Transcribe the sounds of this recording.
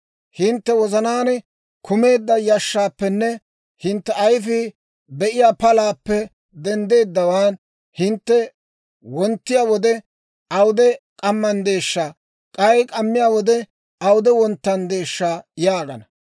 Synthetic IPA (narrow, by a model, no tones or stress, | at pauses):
hɪnt̪ːɛwɔzɐnaːn | kʰʊme̞ːd̪ːɐjɐʃːaːpːɛnːɛ | hɪnt̪ːɛɐjfi | d̪ɛʔɪjaːpɐlaːpːɛ | d̪ɛnd̪e̞ːd̪ːɐwaːn | hɪnt̪ːɛ | wɔnt̪ːɪjaːwɔd̪ɛ | ʔɐwʊd̪ɛkʼɐmːɐnd̪e̞ːʃːaː | kʼɐjkʼɐmːɪjaːwɔd̪ɛ | ɐwʊd̪ɛwɔnt̪ːɐnd̪e̞ːʃːaːjaːɡɐnɐ